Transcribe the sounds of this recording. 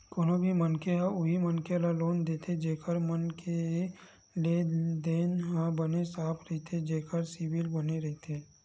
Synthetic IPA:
koːnobʱimənkeɦãʊɦimənkelaloːnd̪eːt̪ʰed͡ʒeːkəɾmənke | led̪eːnɦãbənesaːpʰɾəɦit̪ʰed͡ʒeːkəɾsibɪlbəneɾɐɦit̪ʰeː

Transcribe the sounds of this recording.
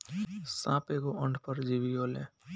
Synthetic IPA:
sã̰ːpeːɡoʔə̃ɳɖpəɾd͡ʒiʋioːlḛ̃ː

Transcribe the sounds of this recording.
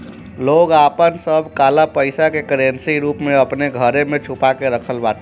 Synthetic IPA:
loːɡapənsəbʱkaːlapəɪsakekɾensiɾupmeəpneɡʱəɾemẽt͡ʃʰupakeɾəkʰəlbaːt̪e

